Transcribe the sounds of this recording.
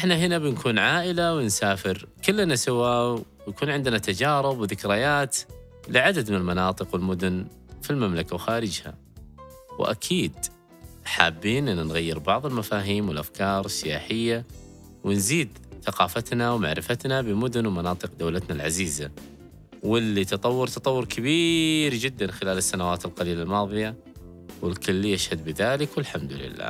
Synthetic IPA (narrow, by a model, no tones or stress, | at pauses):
ʔʔɪħnaɦɪnabɪnkʰuːnʕaːʔɪlawɪnsaːfɪɾkɪlːnasɪwaːwjakuːnʕɪnd̪nat̪ad͡ʒɑːɾˤɪbwðɪkɾɪjaːt̪ | lɪʕad̪ad̪mɪnɪlmɑnɑːt̪ˤɨqwɪlmʊd̪ʊn | filmamlakawxaːɾɪd͡ʒha̰ | wʔa̰kʰiːd̪ | ħa̰ːbːiːnʔɪnːanɣajːɪɾbɑʕðˤɪlmafaːɦiːmwɪlʔafkʰɑːɾˤɪsːɪjaːħɪjːa | wɪnziːd̪θaqɑːfat̪nawmaʕɾɪfat̪nabɪmʊd̪ʊnwmanɑːt̪ˤɨqd̪awlat̪nalʕaziːza | wɪlːit̪ɑt̪ˤɑwːʊɾt̪ɑt̪ˤɑwːʊɾkʰɪbiːɾd͡ʒɪd̪ːanxɪlaːlɪsːanawaːt̪ɪlqɑliːlalmɑːðˤɨja | wɪlkʊlːijaʃhad̪bɪðaːlɪkwɪlħamd̪ʊlɪ̰lːa̰ː